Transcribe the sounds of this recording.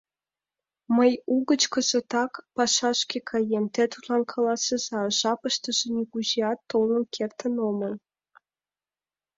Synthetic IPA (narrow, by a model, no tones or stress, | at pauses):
məjuɣə̆t͡ɕkə̆zə̆t̪ɑkpɑʃɑʃkʲekʰɑjemt̪et̪ut̪lɑnkʰɑlˠɑsɤzɑʒɑpəʃt̪ə̆ʒĕnʲeɣuʑiɑt̪ːolˠə̆nkʰert̪ənoməl